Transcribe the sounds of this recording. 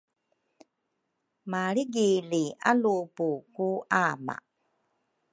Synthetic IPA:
maɭiɡilia̰lupukuʔama̰

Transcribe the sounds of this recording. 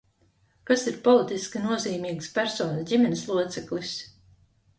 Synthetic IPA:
kasiɾpɔlˠit̪iskʲinuɔziːmʲiːkspæɾsɔːndʲimɛnislˠuɔt̪sɛklˠis

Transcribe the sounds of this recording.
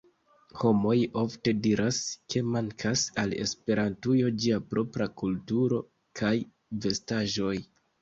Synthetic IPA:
ho̞mo̞jo̞fte̞diɾʔaskʰe̞maŋkʰasale̞̰spe̞ɾantujo̞d͡ʒiapɾo̞pɾakultuɾo̞ | kʰaj | ve̞staʒo̞j

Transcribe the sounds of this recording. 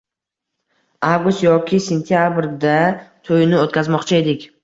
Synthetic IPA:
avɡʊst̪jɒkʲʰɪse̞nt̪ʰijabɾd̪at̪ʰojnɪot̪kʲʰazmɒqt͡ʃʰae̞d̪ɪkʲ

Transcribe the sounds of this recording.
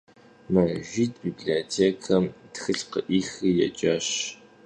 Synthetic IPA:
mɐʒʷiːtbiːbɮiotʰeːkʰɐmtxɨɬqəʔiːxijɛ̰t͡ʃʼɐɕ

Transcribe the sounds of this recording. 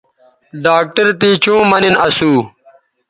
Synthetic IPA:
ɖaːk̚ʈɐɾt̪iːt͡ɕũːmɐninɐsuː

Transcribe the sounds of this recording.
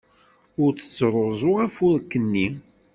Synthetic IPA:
ʊɾt͡sə̥t͡sːɾˤozˤʊʁæfʊɾkːənːi

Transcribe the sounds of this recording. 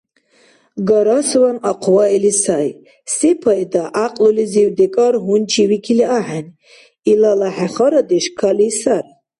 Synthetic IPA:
ɡɔɾaswanaqʰwailisaj | sipʰajd̪aʔaqʼluliziwd̪ɛkʼaɾɦunt͡ʃʰiwikʰiliaħan | ilalaħaχɔɾad̪iʃkʰalisaɾ

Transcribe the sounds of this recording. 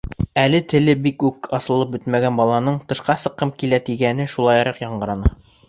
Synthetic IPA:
ælɘt̪ɘ̆lɘbikʉkɑsɤ̆lˠɤp̚bɵt̪mæɡænbɒlˠɑnɤɴt̪ɤ̆ʃqɑsɤ̆qːɤmkilæt̪iɡænɘʃulˠɑjɾɑqjɑɴɢɤ̆ɾɑnɑ

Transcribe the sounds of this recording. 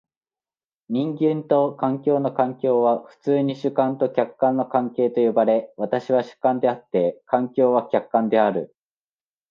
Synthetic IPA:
ɲ̟ĩŋɡʲẽnt̪o̞kãŋkʲo̞ːno̞kãŋkʲo̞ːβ̞aɸɯ̟̥t͡sɨːɲ̟iɕɨkãnt̪o̞kʲakːãnːo̞kãŋke̞ːt̪o̞jo̞baɾe̞βat̪aɕiβaɕɨ̥kãnd̪e̞at̪ːe̞kãŋkʲo̞ːβ̞akʲakːãnd̪e̞aɾɯ̟

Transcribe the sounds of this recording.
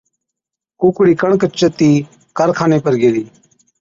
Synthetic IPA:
kukɽiːkəɳ̃kət͡ʃət̪iː | kəɾkʰaːneːpəɾɡeːd̪iː

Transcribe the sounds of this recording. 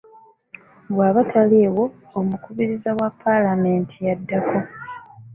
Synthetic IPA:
βwaːβatʰaleːwo̞ː | mukuβiɾizawapʰːalame̞ːntʰijadːako̞

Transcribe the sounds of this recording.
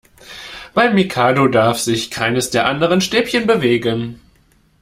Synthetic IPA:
b̥aɪmːikʰaːdodaɐfz̥ɪçkʰaɪnəsd̥eːɐʔandəʁ̞ənʃteːpçənbəveːɡən

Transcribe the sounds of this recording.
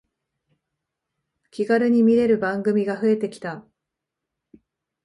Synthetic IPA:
kʲiɡaɾɯ̟ɲ̟imʲiɾe̞ɾɯ̟bãŋɡɯ̟mʲiɡaɸɯ̟e̞t̪e̞kʲi̥t̪a

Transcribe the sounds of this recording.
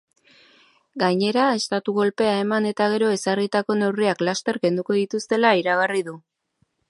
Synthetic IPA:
ɡaɲe̞ɾae̞st̪at̪uɣo̞lpe̞aemane̞t̪aɣ̞e̞ɾo̞e̞sarit̪ako̞ne̞wriaklast̪e̞ɾke̞nd̪uko̞ðit̪ust̪e̞laiɾaɣ̞ariðu

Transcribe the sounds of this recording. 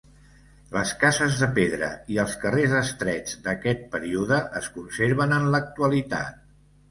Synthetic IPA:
ləskazəzðəpeðɾə̰iəlˠskərezəst̪ɾɛd͡zd̪əkɛt̪̚pəɾiuðəʔəskunseɾβənənlək̚t̪uəlit̪a̰t̪̚

